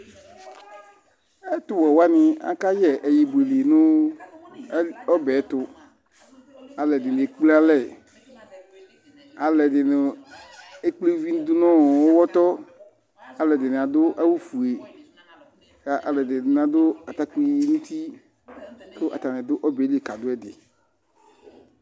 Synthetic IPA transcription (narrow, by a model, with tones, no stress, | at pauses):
ɛ˦t̪ʊ˨wɔ˨wa˦nɪ˨a̰˨ka˦jɛ˦ʔɛ˨ji˨bu˨e˨le˨nʊ˦ | ɔ˦bɛ˨˦t̪ʊ˨ | a˨lɛ˨dɪ˨n˨e˨˦k͡ple˦a˦lɛ˦˨ | a˨lɛ˨dɪ˨nɪ˨ | e˦k͡ple˦vi˦n˦d̪ʊ˦nɔ̃˦˨ɔ˦wɔ˦t̪ɔ˦ | a˨lɛ˨dɪ˨nɪ˨a˨d̪ʊ˦ʔa˦wu˦fu˨e˨ | ka˨ʔa˨lɛ˨dɪ˨n˨a˨d̪ʊ˦a˨t̪a˦ki˦nũ˦t̪i˦ | tʊ˦ʔa̰˨t̪a˨nɪ̃˨d̪ʊ˦ʔɔ˦bɛ˨˦li˦e˨ka˨d̪ʊ˦ɛ˦dɪ̰˨